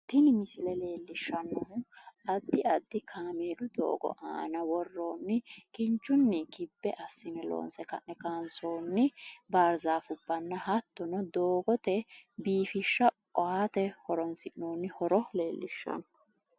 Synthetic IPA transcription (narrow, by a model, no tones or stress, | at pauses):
t̪ɪnɪmɪsɪlɛle̞ːlːɪʃːɐnːɔʔɐd̪ːɪɐd̪ːɪkʰaːmeːlʊd̪o̰ːɡɔ̰ʔa̰ːnɐwɔrːo̞ːnːɪkɪnt͡ʃːʊnːɪkɪbːɛʔɐsːɪnɛlo̰ːnsɛkɐ̰ʔnɛkansoːnːɪbaːɾzaːfʊbːɐnːɐhɐt̪ːɔnɔd̪oːɡɔt̪ɛbiːfɪʃːɐ | ɔaːt̪ɛhɔɾɔnsɪʔnoːnːɪhɔɾɔle̞ːlːɪʃːɐ̰nɔ